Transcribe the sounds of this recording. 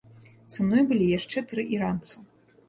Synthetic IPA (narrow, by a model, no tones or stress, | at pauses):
t̪sɨnɔjbɨlʲijaʂt͡ʂɛt̪ɾɨʔiɾant̪sɨ